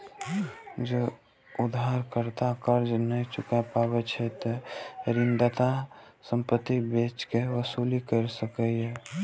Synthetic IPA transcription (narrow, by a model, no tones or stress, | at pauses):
d͡ʒo | ʊd̪ʱaɾkəɾt̪akəɾd͡ʒnəit͡ʃʊkapaːbət͡ʃʰɛt̪ɾɪnd̪at̪a | səmpət̪ːibeːt͡ʃkeʋəsuːlikəɾsəkəɦɛ